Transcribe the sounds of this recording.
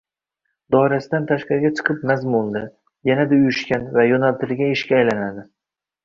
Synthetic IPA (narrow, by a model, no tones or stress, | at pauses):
d̪ɒɪɾasɪd̪ant̪ʰaʃqɑɾɪɡʲat͡ʃʰɨ̥qʰɨpnazmolˠd̪ɪ | janad̪aʊjʊʃkʲanvajɒnalt̪ɪlɡʲaɪʃkʲaːjlanad̪ɪ